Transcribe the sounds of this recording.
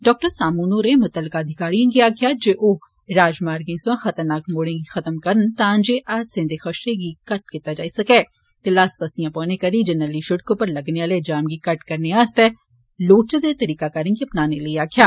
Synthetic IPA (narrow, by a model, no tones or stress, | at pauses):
ɖɔːk̚ʈəɾsaːmuːnoːɾẽmʊt̪əlːɪkaːd̪ʱɪkaːɾijõɡiaːkʰjad͡ʒeːʔoː | ɾaːd͡ʒmaːɾɡẽsãxɐt̪əɾnaːkmoːɽẽɡixɐt̪əmkɐɾənt̪ãːnd͡ʒeʔaːd͡ʒsẽnd̪exɐʃɾeɡikɐʈ̚kɪt̪ːad͡ʒaːisɐkeː | t̪elaːspɐsijãpəːnekɐɾid͡ʒɐnəliʃʊɽkõpɐɾlɐɡneaːled͡ʒaːmɡikɐʈkɐɾneaːst̪ɛ | loːʈt͡ʃəd̪et̪ɐɾiːkakɐɾẽɡiɐpnaːnelɐiaːkʰjaː